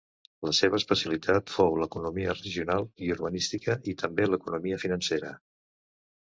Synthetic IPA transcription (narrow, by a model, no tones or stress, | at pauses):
ləseβəːspəsjəlit̪ʰat̪fowləkunumiərəʒiunalˠiuɾβənist̪ikəʔit̪ʰəmbeləkunumiəfinənseɾə